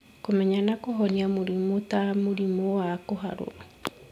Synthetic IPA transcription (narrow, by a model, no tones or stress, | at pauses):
komɛɲanakoɦɔniamoɾimotamoɾimowakoɦa̰ɾo̰a